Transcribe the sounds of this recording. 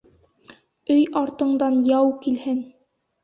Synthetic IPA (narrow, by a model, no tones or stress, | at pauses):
ɵjʔɑɾt̪ɤ̆ɴd̪ɑnjɑwkilhɘn